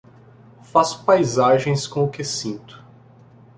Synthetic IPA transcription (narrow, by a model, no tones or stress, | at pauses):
faspajzaʒẽj̃skõʊkɪsĩnt̪ʊ̥